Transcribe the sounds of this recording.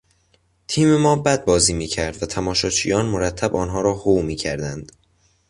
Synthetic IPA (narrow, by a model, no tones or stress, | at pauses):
t̪ʰiːme̞mɒːbæd̪̚bɒːziːmiːcʰæɾd̪væt̪ʰæmɒːʃɒːt͡ʃʰiːjɒːnmoɾæt̪ʰːæbɒːnɦɒːɾɒːhowmiːcʰæɾd̪ænd̪̥